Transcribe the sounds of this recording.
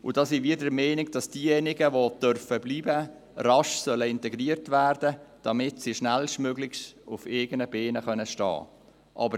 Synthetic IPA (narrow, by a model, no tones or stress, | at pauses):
ʊdɑːsiviːdəɾmɛːnɪɡ̚d̥ɑsd̥iːjɛnɪɡəʋod̥œrfəbliːbə | rɑʃsœləɪntɛɡɾiːəɾtvæːrd̥əd̥ɑmɪtsiʃnælʃtmøɡlɪçsʊfeːɡənəbeːnəχœnəʃtɑ̰ː | ʔɑ̰ːbəɾ